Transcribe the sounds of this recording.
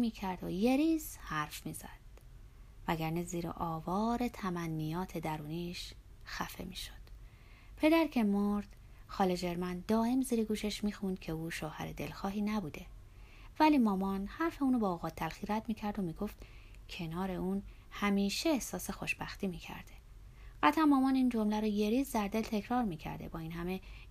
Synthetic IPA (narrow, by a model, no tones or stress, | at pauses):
miːcʰæɾd̪oje̞ɾiːz̥hæɾfmiːzæ̰d̪̥̚ | væɡæɾneziːɾḛʔɒːvɒːɾe̞t̪ʰæmænːijɒːt̪ʰe̞d̪æɾuːniːʃ | xæfe̞̰miːʃo̥d̪̥ | pʰe̞d̪æɾcʰe̞moɾd̪̥ | xɒːled͡ʒe̞ɾmænd̪ɒːe̞mziːɾeɡuːʃe̞ʃmiːxund̪̥̚cʰe̞uːʃohæ̰ɾed̪e̞̰lxɒːɦiːnæbuːd̪e̞ | væliːmɒːmɒːnhæɾfe̞uːnobɒːoɣɒːt̪ʰːælxiːɾæd̪miːcʰæɾd̪omiːɡo̞ft̪ | cʰe̞nɒːɾe̞uːn | hæmiːʃe̞ːhsɒːse̞xo̞ʃb̥æxt̪iːmiːcʰæ̰ɾd̪̥e̞ | ɢ̥æt̪ʰæmːɒːmɒːniːnd͡ʒo̞mlæɾoje̞ɾiːzd̪æɾd̪e̞lt̪ʰe̞cʰɾɒːɾmiːcʰæ̰ɾd̪e̞̰bɒːiːnɦæme̞